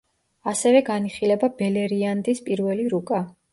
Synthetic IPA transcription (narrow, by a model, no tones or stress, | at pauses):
asɛvɛɡaniχilɛbabɛlɛɾiand̪ispʼiɾvɛliɾukʼa